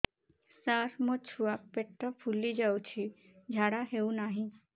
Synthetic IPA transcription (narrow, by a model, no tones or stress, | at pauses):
saɾmɔt͡ɕʰuapeʈːɔfʰulːid͡ʑawt͡ɕʰi | d͡ʑʱaɽaɦeunaɦĩ